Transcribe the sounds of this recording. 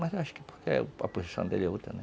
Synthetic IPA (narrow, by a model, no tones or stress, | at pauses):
mɐzewaʃʊ̥kɪ̥po̥kɛ̰ɐ̰pozisɐ̃d̪elo̰wt̪ɾɐnɛ